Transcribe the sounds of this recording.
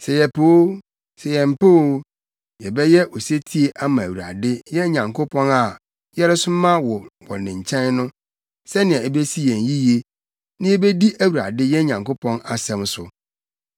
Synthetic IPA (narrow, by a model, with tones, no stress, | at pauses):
sɛ˨jɛ˨pʰoː˨˦ | sɛ˨jɛ̃˨m̩˨po˦ | jɛ˨bɛ˦jɛ˦ʔɔ˨se˦tʰi˦e˦ʔa˦mã˨æ˨wu˨ɾa̰˨dɪ˦jɛ˦ɲã˨ŋkʰo˦pʰɔ̃˦na˨ | jɛ˦ɾɛ˦sʊ˦mã˦wɔ˨wɔ̰˨nɪ̃˨ɲ̩˨t͡ɕʰɛ̃˦nnʊ̃˦ | sɛ˦nɪ̃˨ã˨e˦be˦si˦jɛ̃˨n˨ji˦je˦ | nɪ̃˦ɛ˦be˦di˦ʔæ˦wu˨ɾa̰˨dɪ˦jɛ˦ɲã˨ŋkʊ˦pʰɔ̃˦na˨sɛ̃˦˨msʊ˨